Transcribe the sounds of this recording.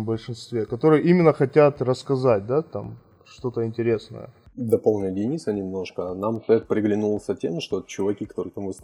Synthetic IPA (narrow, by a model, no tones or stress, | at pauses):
bəlʲʂɨnst̪vʲe̞kɐt̪o̞ɾɨjəʔimʲɪnːəxɐtʲat̪rəskɐzat̚ʲd̪at̪a̰m | ʂt̪o̞t̪əɪnʲtʲɪɾʲe̞snə̰jə̰d̪ɐpolˠnʲɪdʲɪnʲisənʲɪmno̞ʂkənamt̪ɛt̪pɾʲɪɡlʲɪnulˠsʲɐtʲemʂt̪ot͡ɕʊvɐkʲikɐ̥t̪o̞ɾɨt̪ɐmvɨs